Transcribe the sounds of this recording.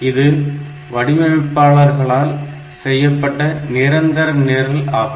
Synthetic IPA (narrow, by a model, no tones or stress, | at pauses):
ɪðɯ | ʋɐɽɪmɐʋɪpːaːɭɐɾɣɐɭaːl | sɛjːɐpːɐʈːɐnɪɾɐnd̪ɐɾɐneːɾɪlaːp